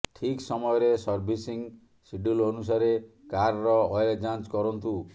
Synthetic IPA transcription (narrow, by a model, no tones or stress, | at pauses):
ʈʰiksɔmɔjɔɾesɔɾbʱisiŋ | siɖulonus̬aɾe | kaɾɾɔːjled͡ʒant͡ʃkɔɾɔnt̪u